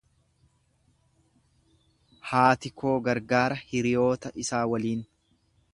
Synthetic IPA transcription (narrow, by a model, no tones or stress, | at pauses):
haːt̪ɪkʰo̞ːɡɐɾɡaːɾɐhɪɾɪjo̞ːt̪ɐʔɪsaːwɐliːn